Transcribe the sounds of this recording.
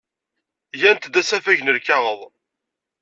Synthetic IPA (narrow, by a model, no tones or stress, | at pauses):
jænt̪d̪æsæfæʝnəɾkaʁəðˤ